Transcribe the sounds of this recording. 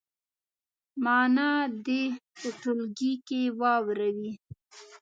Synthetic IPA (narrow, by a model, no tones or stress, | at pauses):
mɑnɑd̪epʊʈʊlɡikewɑwɾawi